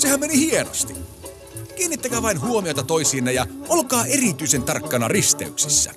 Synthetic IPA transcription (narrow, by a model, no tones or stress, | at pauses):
sehæmmenihieno̰st̪i | kiːnːit̪ːækæːʋɑinɦuomiot̪ɑt̪oisiːnːɑjɑolkɑːerit̪yisent̪ɑrkːɑnɑ̰rist̪ḛyksisːæ̰